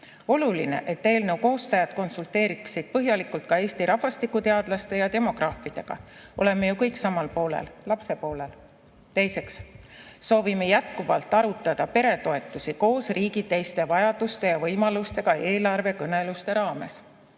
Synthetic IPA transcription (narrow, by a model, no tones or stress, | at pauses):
o̞luline̞̰ʔet̪ːe̞ːlne̞wko̞ːst̪ɑjɑd̪̥̚ko̞nsult̪e̞ːɾiksid̪̥̚pɤɦjɑlikult̪̚kɑe̞ːst̪iɾʔɑhvɑst̪ikːˑut̪e̞ɑd̪̥lɑst̪e̞jɑt̪e̞mo̞ɡ̥rɑːfˑid̪̥e̞ɡ̥ɑ̰ʔo̞le̞me̞jukɤjksɑmɑlpo̞ːlḛllɑpse̞po̞ːle̞l | t̪e̞jse̞ksː | o̞ːvime̞jæt̪̚kuvɑ̰lt̪ːˑɑɾut̪ːˑɑd̪̥ɑpe̞ɾe̞t̪o̞e̞t̪ːˑusiko̞ːsriːɡit̪e̞jst̪e̞vɑjɑd̪̥ust̪e̞jɑvɤjmɑlust̪e̞ɡ̥ɑe̞ːlɑrve̞kɤne̞lust̪e̞ɾɑːme̞̰s